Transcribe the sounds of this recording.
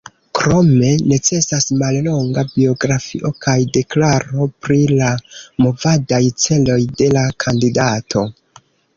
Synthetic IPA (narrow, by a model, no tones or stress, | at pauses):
kɾo̞me̞ne̞t͡se̞sasmalloŋɡabio̞ɡɾafḭʔo̞kajde̞klaɾo̞pɾilamo̞vadajt͡se̞lo̞jde̞lakʰandidatʰo̞